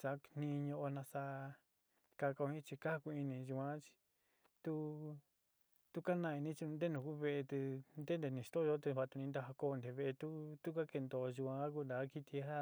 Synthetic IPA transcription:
sa˧˦n̥ĩ˧ɲõ˧ʔo˧nã˧sa˧ | ka˧ka˧o˧ĩ˦t͡ʃi˧ka˦˧ku˧i˧nĩ˧ʒu˧kʷã˧˦t͡ʃi̥˧ | t̪u˦ | t̪u˦ka˦nã˧i˧nĩ˦t͡ʃĩ˧d̪e˦nũ˧ku˦βe˧e˧t̪ɨ˧nd̪e˦nd̪e˧˨nĩ˧st̪o˦˧o˦t̪e˧βa˧t̪u˧nĩ˧nd̪a˧ɦa˧ko˦˧nd̪e˧βe˧t̪u˦t̪u˦ka˦ke˧nd̪o˧ʒu˧kʷã˧˦k̬u˧nd̪a˨˦ki˧t̪i˧a˦

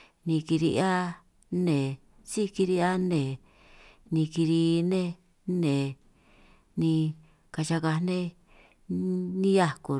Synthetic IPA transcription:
nĩ˧ki˧ɾi˧a˦ | nẽ˨ | si˦ki˧ɾi˧a˦nẽ˨ | nĩ˧ki˧ɾi˧nẽ˦ | nẽ˨ | nĩ˧ | ka˧t͡ʃa˧ka˧nẽ˦ | nĩ˦ja˦ku˨

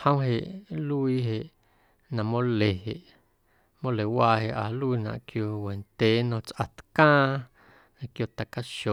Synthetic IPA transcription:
hə̃˦w̃ɦe˨ʔlu˦i˦ɦe˨ʔ | nã˨mõ˦le˨he˨ʔ | mõ˦le˨waː˧ɦe˨ʔa˨lu˦i˧nã̰˨ʔkjo˧we˨nt̪eː˨˦nõ˧t͡sʔa˨t̪kãː˦ | nã˧kjo˧˨t̪a˨ka˦ʃo˨

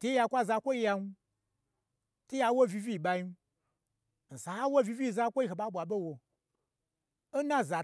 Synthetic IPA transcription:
te˦ja˧kʷa˦˨za˧kʷo˦i˧ja˧nu˧˦ | te˦ja˧˦wo˦˨vi˧vi˦˨ɓa˧i˦ | n̩˨sa˨a˦wo˦˨vi˧vi˦˨za˧˦kʷo˦i˧˨e˨ɓa˦ɓʷa˨ɓe˦wo˧˦ | na˦˨za˨

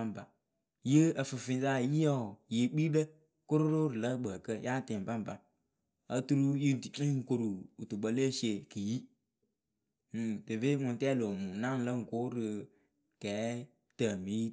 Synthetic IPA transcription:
a˦m˨ba˨ | jə˦ə˨fɨ˨fi˨n˦za˦˨ji˦jɔ˦˨ji˨k͡pi˦də˦ | kʊ˦ɾʊ˦ɾo˦ɾɨ˨lə˦ɡ͡bə˨kə˦ja˦˨tɪ˨m˨ba˦m˨ba˨ | a˦tu˦ɾu˦ji˦˨i˦ŋ̩˨ko˨ɾu˨u˨tu˨ɡ͡bə˦le˦se˨kɨ˨ji˦˨ | tɨ˨ve˦ŋʊ˨n˨tɛ˦lo˨mu˨na˦n˨lə˦ŋ̩˨ko˦ɾɨ˨ | kɛː˨˦ | tə˨mi˦

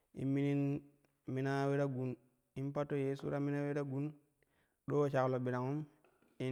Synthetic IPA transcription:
ḭ˨mi˦ni˦n | mi˦na˦we˦ɾa˦ɡu˨n | i˦npa˦tːo˦je˦sṵ˦ɾa˦mi˦na˦we˦ɾa˦ɡu˦n | ɗo˦˨t͡ʃa˨klo˨bi˨ɾa˨ŋu˦m | i˦

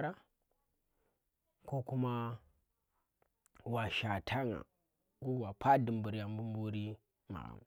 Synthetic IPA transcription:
ɾa˦ | ko˦ku˦ma˦ | wa˨ʃa˨tʰa˦ŋa̰˨ | ɡu˦wa˨pʰa˦di˨mbu˨ɾa˨m˦bu˦m˦bu˦ɾi˦ | ma̰˨a̰˨m˨

